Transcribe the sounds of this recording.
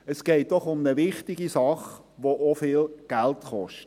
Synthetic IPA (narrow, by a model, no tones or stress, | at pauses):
əsɡ̥ɛɪt̚dɔχʊmnəʋɪχtɪɡisɑχ | ʋoʔofɪːlɡ̥æltχɔʃtt